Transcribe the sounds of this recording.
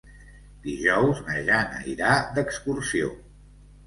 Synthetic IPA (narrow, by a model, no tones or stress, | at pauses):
d̪̥iʒɔwzəʒanə̰iɾad̪əkskursio̰